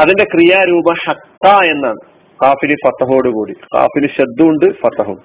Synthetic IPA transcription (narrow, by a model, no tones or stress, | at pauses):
ɐðinde̞krijaːɾuːbɐħɐt̪ːaːe̞nːaːɳɨ | qaːfilifɐt̪ɐɦo̞ːɽukuːɽiqa̰ːfilɨɕɐd̪ːuuɳɖɨfɐt̪ɐɦum